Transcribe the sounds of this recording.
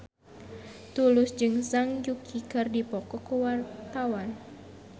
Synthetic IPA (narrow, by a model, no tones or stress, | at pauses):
t̪ulʊsd͡ʒɨŋsaŋd͡ʒukʰikɨrdipɔkɔkuwart̪awan